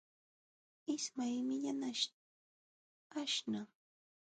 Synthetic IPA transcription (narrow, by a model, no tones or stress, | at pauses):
ɪsmajmɪʎanaʃ | aʃna